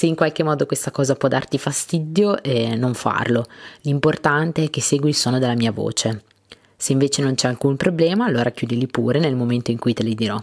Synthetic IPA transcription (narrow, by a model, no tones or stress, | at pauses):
seiŋkwalk̟emɔːd̪okwest̪akɔːzapwɔd̪ːart̪ifast̪id̪joʔɛnoɱfa̰rlolimport̪ant̪eɛk̟ːesːeːɡwilsoːnod̪elːamiːavo̰ːt͡ʃe | seiɱveːt͡ʃenont͡ʃɛalkumpɾoblɛːmaːlːoːɾakjuːd̪ilipṵːɾenelmoment̪oiŋkujt̪elid̪iɾɔ